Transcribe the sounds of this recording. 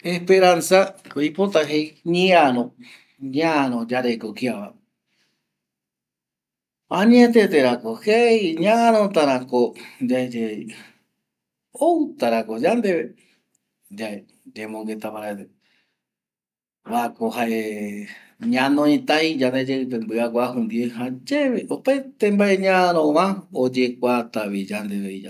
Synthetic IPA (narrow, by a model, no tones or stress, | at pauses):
ehpeɾansakoipot̪aɦejɲiaɾõ | ɲaɾõd͡ʒaɾekokiaβa | ãɲĩẽt̪̬et̪eɾakohejɲãɾ̃õt̪aɾakod͡ʒad͡ʒe | ot̪aɾakod͡ʒand̪eβe | d͡ʒae | d͡ʒemõŋɡe̞t̪apaɾet̪e | βaekohae | ɲãnõĩt̪ajd͡ʒand̪ed͡ʒeɨp̬ẽmbɨakʷahund̪ieɦad͡ʒeβeʔopaet̪ẽmbaʔeɲãɾõãod͡ʒe̞kʷat̪aβid͡ʒand̪eβeia̰